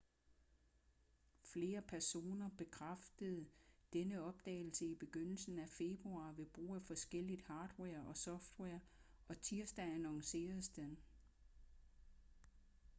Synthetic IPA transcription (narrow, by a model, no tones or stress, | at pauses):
fle̝ːɐpʰæɐso̝̰ːnɐb̥e̝kʰʁafd̥əð̞̩ˠd̥enəɒ̽b̥̚d̥ɛ̰ːɪl̩səib̥e̝ɡ̥øn̰l̩sn̩æfe̝b̥ʁuɑ̈ːʋe̝b̥ʁṵːæfɒ̽sɡ̥el̰id̥hɑ̈ːd̥weɐɒ̽sɒ̽fd̥weɐɒ̽t͡sʰiɐsd̥æænɑŋse̝̰ːɐð̩ˠsd̥en